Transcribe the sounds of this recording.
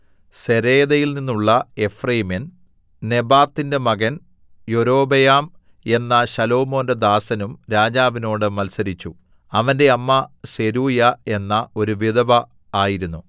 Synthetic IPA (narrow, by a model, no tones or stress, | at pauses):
se̞ɾeːðɐjilninːuɭːɐe̞frɐjmen | ne̞baːt̪ːinde̞mɐɣɐn | joɾo̞ːbɐjaːm | e̞nːɐɕɐlo̞ːmo̞ːnded̪aːsɐnumɾaːd͡ʑaːʋino̞ːɽɨmɐlsɐɾit͡ɕːu | ɐʋɐnde̞ɐmːɐse̞ɾuːjɐe̞nːɐo̞ɾuʋid̪ɐʋɐ | aːjiɾunːu